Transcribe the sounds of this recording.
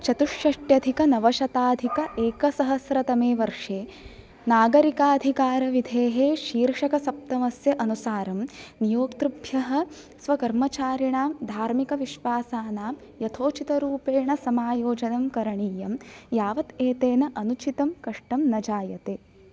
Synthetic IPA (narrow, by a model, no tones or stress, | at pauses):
t͡ʃɐt̪uʂjɐʂʈjɐd̪ʱikɐnɐʋɐʃɐt̪aːd̪ʱikɐʔeːkɐsɐɦɐsɾɐt̪ɐmeːʋɐɾʂeː | naːɡɐɾikaːd̪ʱikaːɾɐʋid̪ʱeːɦeːʃiːɾʂɐkɐsɐp̚t̪ɐmɐsjɐʔɐnusaːɾɐmnijoːkt̪ɾubʱjɐɦɐ̆ | sʋɐkɐɾmɐt͡ʃaːɾiɳaːmd̪ʱaːɾmikɐʋiʃʋaːsaːnaːm | jɐt̪ʰoːt͡ʃit̪ɐɾuːpeːɳɐsɐmaːjoːd͡ʒɐnɐmkɐɾɐɳiːjɐmjaːʋɐt̪eːt̪eːnɐʔɐnut͡ʃit̪ɐmkɐʂʈɐmnɐd͡ʒaːjɐt̪eː